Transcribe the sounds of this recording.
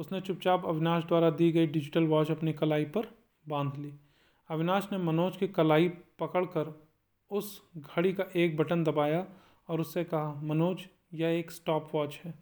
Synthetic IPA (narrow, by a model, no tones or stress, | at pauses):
ʊsnet͡ʃʊp̚t͡ʃaːpɐbɪnaːʃd̪waːɾad̪iːɡɐiɖɪd͡ʒɪʈəlʋaːt͡ʃɐpnikɐlaːipɐɾ | bãːnd̪ʱliː | ɐʋɪnaːʃnemɐnoːd͡ʒkikɐlaːipɐkəɽkɐɾ | ʊsɡʱɐɽikaʔeːk̚bɐʈənd̪ɐbaːja | ɔːɾʊsːekɐɦamɐnoːd͡ʒ | jɐeːksʈɔːpʋaːt͡ʃɦɛː